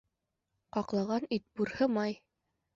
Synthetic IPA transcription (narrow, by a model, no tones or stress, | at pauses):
qɑqlˠɑʁɑnit̪̚buɾhɤmɑj